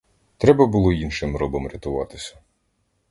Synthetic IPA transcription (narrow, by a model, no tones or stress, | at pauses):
t̪ɾɛbɐbʊlˠɔinʃɪmɾɔbɔmɾʲɐt̪ʊʋɑt̪ɪsʲɐ̥